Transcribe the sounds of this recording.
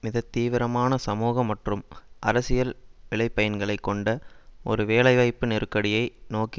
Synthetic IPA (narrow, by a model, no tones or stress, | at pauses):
mɪðɐt̪ːiːʋɪɾɐmaːnɐsɐmuːɣɐmːɐʈrɯmʔɐɾɐsɪjɐlʋɪɭɐɪpːɐjɐnɡɐɭɐɪkːɔɳɖɐɔ̰ɾɯʋeːɭɐɪʋɐɪpːɯnɪɾɯkːɐɽɪjɐɪnoːki